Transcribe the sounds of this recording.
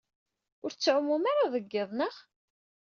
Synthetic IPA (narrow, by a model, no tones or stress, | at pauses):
ʊɾt͡sːʕʊmːumaɾaðˤəɡːɪðˤnəʁ